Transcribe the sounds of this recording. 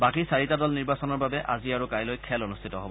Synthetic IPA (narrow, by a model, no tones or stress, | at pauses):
bakisaɹitadɔlniɹbasɔnɔɹbabɛʔa̰ziaɹukajlojkʰɛlonustʰitɔɦɔbɔ